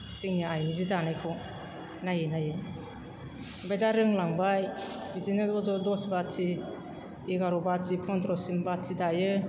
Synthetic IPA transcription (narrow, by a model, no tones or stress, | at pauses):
siŋniaajnizidanajkʰu | najɯnajɯ | bajdaɾɯŋlaŋbajbizinɯɔzɔdɔsbatʰi | iɡaɾɔbatʰipʰɔnd̪ɾɔsimbatʰidajɯ